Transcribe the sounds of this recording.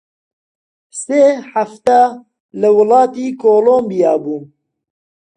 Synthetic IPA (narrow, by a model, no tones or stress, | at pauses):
seːħaft̪a | lɨwɨlɑːt̪iːkʰoːloːmbijɑːbuː